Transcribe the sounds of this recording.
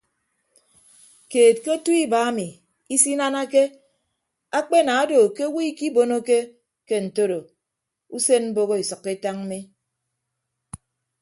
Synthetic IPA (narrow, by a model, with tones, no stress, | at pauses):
keː˨t̚ke˦tu˦i˦ba˨a˦mi˨ | i˦si˦na˦na˦ke˦ | a˦k͡pe˦na˨a˦do˨ke˦wi˦i˦ki˦bo˦no˦ke˦ | ke˦n̩˨to˦ɾo˨ | u˦se˦nm̩˦bo˦ɣo˦i˨sʌ˨kːe˦ta˦ŋ̩˦mi˦